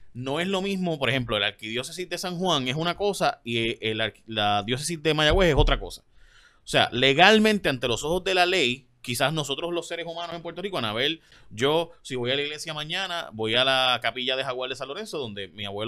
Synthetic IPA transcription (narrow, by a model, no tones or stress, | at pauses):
no̞e̞slo̞mismo̞po̞ɾe̞hemp̬lo̞e̞laɾkiðjo̞sesizd̪e̞saŋɦwãŋe̞sunako̞saieelaɾlaðjo̞s̬es̬izd̪e̞maʝaweseso̞t̪ɾako̞sḁ | ose̞a̰le̞ɣalmẽnt̪e̞ant̪e̞lo̞so̞ho̞zðe̞lale̞j | kisasno̞so̞t̪ɾoslo̞sːe̞ɾesumãnose̞mpwe̞ɾt̪o̞rikonaβe̞l | ɟ͡ʝo̞siβo̞jalaiɣle̞sjamãɲãna̰bo̞jalakapiʝaðe̞ɦaɣwald̪esanlo̞ɾe̞nso̞ðo̞nd̪e̞miaβwe